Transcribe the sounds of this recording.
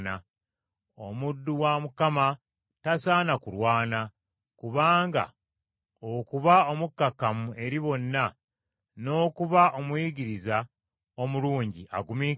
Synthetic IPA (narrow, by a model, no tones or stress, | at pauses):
na | o̞̰mudːuwamukama | tasaːnakuɾwaːna | kuβaːŋɡa̰ | okuβaomukːakːamue̞ɾiβo̞nːa | no̞ːkuβaʔomwiːɟiɾiza | o̞muluːɲɟiʔa̰ɡumi